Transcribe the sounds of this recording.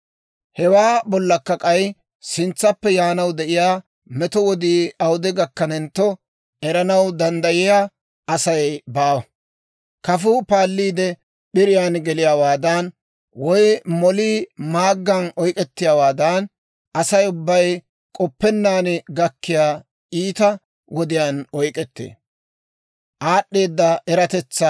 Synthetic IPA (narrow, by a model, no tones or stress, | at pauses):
hɛwaːbɔlːɐkːɐkʼɐj | sɪnt͡sːɐpːɛjaːnɐwd̪ɛʔɪjaː | mɛt̪ɔwɔd̪iːɐwd̪ɛɡɐkːɐnɛnt̪ːɔ | ɛɾɐnɐwd̪ɐnd̪ɐjɪjaː | ʔɐsɐjbaːwɐ | kɐfʊpaːlːiːd̪ɛ | ɓɪɾɪjaːnɡɛlɪjaːwaːd̪ɐn | wɔjmɔliːmaːɡːɐnɔjkʼɛt̪ːɪjaːwaːd̪ɐn | ʔɐsɐjʊbːɐj | kʼɔpːɛnːaːnɡɐkːɪjaː | ʔiːt̪ɐ | wɔd̪ɪjaːnɔjkʼɛt̪ːḛː | ʔaːɗːe̞ːd̪ːɐɛɾɐt̪ɛt͡sːɐ